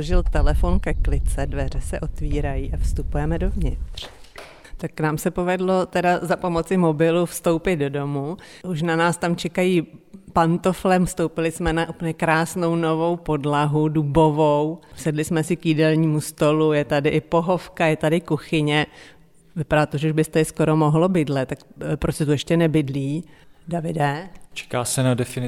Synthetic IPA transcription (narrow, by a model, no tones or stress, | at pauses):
oʒɪlt̪ɛlɛfonkɛklɪt͡sɛdvɛr̝ɛsɛʔo̞t̪viːɾajiːʔafst̪upujɛmɛdo̞vɲɪt̪r̝̥ | t̪akːnaːmsɛpo̞vɛdlo̞t̪ɛdazapo̞mo̞t͡sɪmo̞bɪlufst̪o̞wpɪt̪̚do̞do̞muʔuʃ̬nanaːst̪amt͡ʃɛkajiːpant̪oflɛmfst̪owpɪlɪsmɛnaʔuplɲɛkɾaːsno̞wno̞vo̞wpo̞dlaɦudubo̞vowsɛdlɪsmɛsɪkjidɛlɲiːmust̪o̞lujɛt̪adɪʔɪpoɦofkajɛt̪adɪkuxɪɲɛ | vɪpadaːt̪oʒɛuʒbɪst̪ɛɪsko̞ɾomoɦlobɪdlɛt̪ːakpɾoscʲɛt̪ujɛʃcɛnɛbɪdliːdavɪdɛt͡ʃɛ̥kaːsɛnadɛfɪnɪ